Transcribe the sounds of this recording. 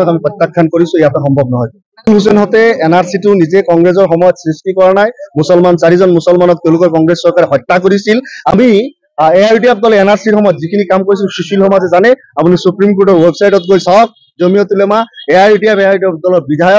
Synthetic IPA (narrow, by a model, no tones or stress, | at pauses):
ɔkamipɔt̪ːakʰːankoɹisʊ̃ɛjatɔxɔmbʱɔb̚nɔɦɔj | ulus̬ɔnɦɔtɛːnaɹsitʊnizɛkɔŋɡɹezɔɹxɔmɔjɔt̪sɹistikɔɹanajmusɔlmansaɹizɔnmusɔlmanɔk̚t̪eʊ̃lʊkɔɹkɔŋɡɹesːɔɹkaɹɛɦɔjtːakoɹisilami | eajʈiap̚dɔlɛenaɹsiɹxɔmɔjɔtzikʰinikamkoɹisilsusilhɔmatɛzanɛ | apunisupɹimkoɹʈɔɹwebsajʈɔt̚ɡojsawk̚ | zomijɔt̪ulɛmaɛajʈiapɛajdiap̚dɔlɔbidʱajɔ